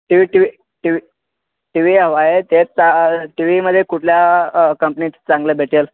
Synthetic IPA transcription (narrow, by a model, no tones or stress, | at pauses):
ʈiʋiʈiʋi | ʈiʋi | ʈiʋiɦəʋajet̪et͡st͡saʈiʋiməd̪ʱːjekuʈʰljakəmpnit͡st͡sãŋɡlebʱeʈʰel